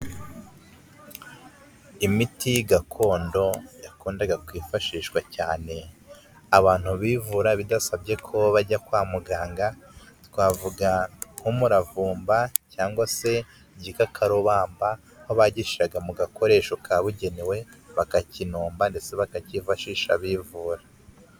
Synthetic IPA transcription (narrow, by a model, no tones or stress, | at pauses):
imitijiɡakʰo̞ːndo̞jakoːndaɡakwiːfaʃiːʃwacaːne̞ | aβaːn̥huβiːvuɾaβidasabɟe̞kʰo̞βaɾɟakwaːmuɡaːŋɡatwaːvuɡahumuɾavuːmbacaːŋɡwase̞ | ɟikakʰaɾoβaːmba | hoβaɟiʃiɾaɡamuɡako̞ɾe̞ːʃokʰaβuɟe̞newe̞βakacinuːmbande̞se̞βakacifaʃiːʃa̰βiːvuːɾa